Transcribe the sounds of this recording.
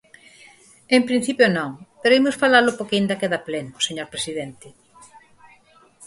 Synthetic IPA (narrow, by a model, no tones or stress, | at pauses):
empɾĩn̟θipjonõŋpeɾoimosfalalʊpokind̪akeðaplenʊseɲoɾpɾesiðent̪ɪ